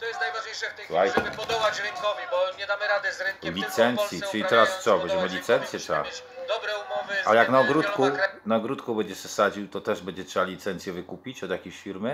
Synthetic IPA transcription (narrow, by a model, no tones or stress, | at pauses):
lajɛ̰n | lʲit̪sɛnt̪sʲjit͡ʂɘlʲit̪ɾast̪sɔvɛd͡ʑɛmɔlʲit̪sɛnt̪sʲjɛt̪ɾa̰ | ʔa̰jaknaɔɡɾut̪kunaɔɡɾut̪kubɛɲd͡ʑɛsɛsad͡ʑiwt̪ɔt̪ɛʐbɛɲd͡ʑɛtʂɛbalʲit̪sɛnt̪sʲjɛvɘkupʲit͡ɕɔd̪ʲjakʲeɕfʲiɾmɘ